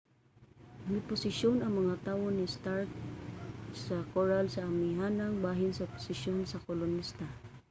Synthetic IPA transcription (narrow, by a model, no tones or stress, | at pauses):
mɪpʊsɪsjonaŋmɐŋat̪aːwonist̪aɾk̚ | sakoɹalsaːmiɦanaŋbaɦɪnsapʊ̥sɪʃjonsakolʊnːist̪a